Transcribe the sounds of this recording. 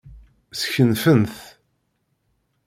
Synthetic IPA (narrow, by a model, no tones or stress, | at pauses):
sçənfənθ